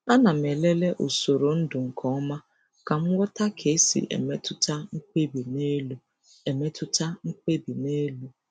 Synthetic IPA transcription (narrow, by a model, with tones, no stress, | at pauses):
a˦na˨m̩˨e˨le˦le˦ʔo˨so˨ɾo˨n̩˦dʊ˨ŋ̩˨kʰɔ˨˦ɔ˦ma˦ | ka˨ŋ̩˦wɔ˦ta˦kʰe˨˦sḭ˨ʔḛ˨me˦tʊ˦ta˦ŋ̩˦k͡pʷe˦bi˨ne˦lu˦ | e˨me˦tʊ˦ta˦ŋ̩˦k͡pʷe˦bi˨ne˦lu˦